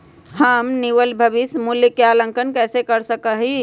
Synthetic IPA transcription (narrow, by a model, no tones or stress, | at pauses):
həmniʋəlbʱəʋismuljəkeaːlə̃ŋkənkɛːsekəɾsəkəɦi